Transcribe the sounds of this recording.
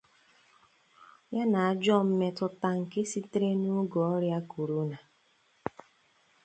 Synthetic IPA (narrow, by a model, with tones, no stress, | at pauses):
ja˦na˨a˨d͡ʒɔ˦˨m̩˦me˦tʊ˦ta˦ŋ̩˨ke˦si˦tɾe˦nu˦ɡɔ˨ɔ˦ɾja˦ku˨ɾu˦na˨